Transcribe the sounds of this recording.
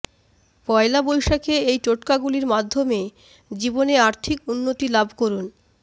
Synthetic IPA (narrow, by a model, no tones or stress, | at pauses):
kɔelabojʃakeejt͡ɕoʈkaɡuliɾmad̪ʱːome | d͡ʑiboneaɾt̪ʰikunːot̪ilabʱkoɾun